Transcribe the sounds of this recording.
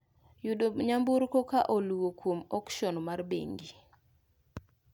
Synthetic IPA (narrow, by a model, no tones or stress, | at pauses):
judoɲambuɾkokaʔoluwokwomɔkʃɔnmarbḛŋɡi